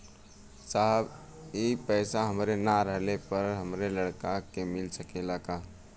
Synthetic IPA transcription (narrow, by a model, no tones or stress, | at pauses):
saɦəb | epɛːsaɦəmɾenaɾəɦlepəɾɦəmɾeləɽkakemɪlsəkelaːka